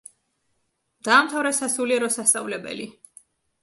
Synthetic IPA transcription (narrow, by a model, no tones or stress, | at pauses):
d̪̥aːmt̪ʰavɾɛsasuliɛɾɔsast̪sʼavlɛbɛ̰li